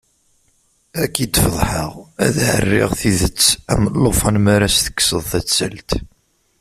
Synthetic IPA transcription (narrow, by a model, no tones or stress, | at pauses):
ækːid̪fəðˤħəʁæðʕə̰rːɪ̰ʁθiðət͡sːæ̰məlˤːofɑnmaɾæsθə̥kːsəðˤθæt͡sːəlt̪